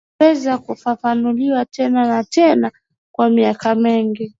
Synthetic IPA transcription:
ɛzakufafanuliwatɛnanatɛna | kwamiakamiŋɡi

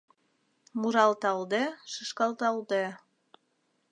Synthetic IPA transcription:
muɾɑlt̪ɑld̪eʃəʃkɑlt̪ɑld̪e

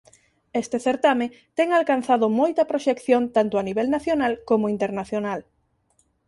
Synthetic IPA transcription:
est̪eθeɾt̪ame | t̪ɛŋalkan̟θaðʊmojt̪ɐpɾoʃekθjont̪ant̪ʊaniβɛlnaθjonalkomoint̪eɾnaθjonal

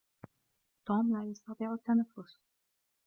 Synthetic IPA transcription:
t̪oːmlaːjɑst̪ɑt̪ˤiːʕat̪ːanafːʊs

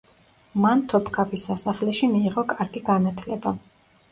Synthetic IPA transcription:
mant̪ʰɔpʰkʰapʰisasaχlɛʃimiːʁɔkʼaɾɡiɡanat̪ʰlɛba

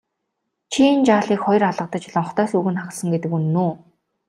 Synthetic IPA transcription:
t͡ɕʰint͡ɕaːɮiːkχɔj̆raɮə̆q̚t̪ə̆t͡ɕɪɮə̆ŋχɔ̥t̪œːsuːɣɘ̆nχaχ̆ɮsə̆ŋɡet̪ɘ̆kunːuː

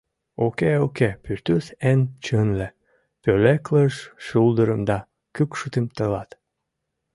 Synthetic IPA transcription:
okeokepyrt̪ysent͡ɕənle | pølekləʃʃulˠd̪əɾəmd̪ɑ | kɨkʃut̪emt̪əlɑt̪

